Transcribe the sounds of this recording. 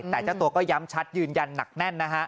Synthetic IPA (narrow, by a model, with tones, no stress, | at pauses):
t̪ɛː˨˩t͡ɕa˦˥˩t̪u˧ɐkɔː˥˩ja˦˥mt͡ɕʰa˦˥t̪̚jɯː˧nja˧nːa̰˨˩k̚nɛ˥˩nːa˦˥kʰa˦˥ʔ